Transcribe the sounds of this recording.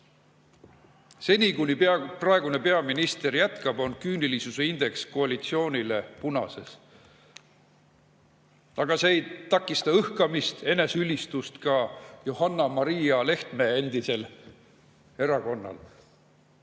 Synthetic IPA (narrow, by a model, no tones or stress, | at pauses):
se̞nʲikunipɑprɑe̞ɡune̞pe̞ɑminist̪e̞rjæt̪kɑb̥o̞nkyːnilisuseind̪̥e̞ksko̞ɑlit̪sio̞ːnʲile̞punɑ̰se̞s | ɑɡ̥ɑse̞ejt̪ɑkːˑist̪ɑɤhkɑmist̪e̞ne̞sylʲːist̪ust̪kɑjohɑnːɑmɑɾijɑle̞ht̪meːend̪̥ise̞l | e̞ɾɑko̞nːɑ̰l